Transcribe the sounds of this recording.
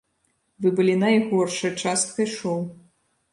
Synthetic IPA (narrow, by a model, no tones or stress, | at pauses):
vɨbɨlʲinɐjɣɔrʂɐjt͡ʂast̪̚kɐjʂɔw